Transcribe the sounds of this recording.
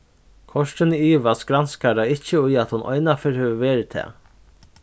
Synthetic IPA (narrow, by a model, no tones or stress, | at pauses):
kʰɔʂʈənəiːʋaskɾanskad̪aɪɪçəʊjat̪hʊnʔɔ̰ɪnafɛɾhɛʋəʋeːɾɪt̪ʰɛ̰ː